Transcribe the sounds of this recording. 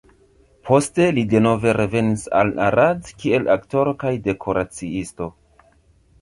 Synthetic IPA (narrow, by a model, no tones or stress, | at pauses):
pʰo̞ste̞lide̞no̞ve̞ɾe̞ve̞nisa̰lna̰ɾadkie̞lʔakto̞ɾo̞kajde̞kʰo̞ɾat͡siisto̞